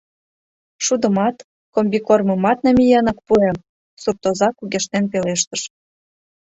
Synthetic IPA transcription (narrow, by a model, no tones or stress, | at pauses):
ʃud̪ə̆mɑt̪ | kombʲikorməmɑt̪̚nɑmʲijɑnɤ̆kpuem | sup̚t̪ozɑkuɣeʃnenpeleʃt̪ə̆ʃ